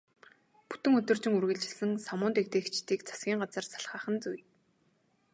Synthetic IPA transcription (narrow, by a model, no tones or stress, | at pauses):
pu̥t̪ɘ̆ŋɵt̪ɵ̆rt͡ɕɪ̆ŋurɣɘ̆ɮt͡ɕɪ̆sɘ̆ŋsamʊːnt̪ekt̪eːxt͡ɕt̪iːkt͡sʰḁsɡʲiːŋɢat͡sə̆rsḁɮχaːχə̆nt͡suj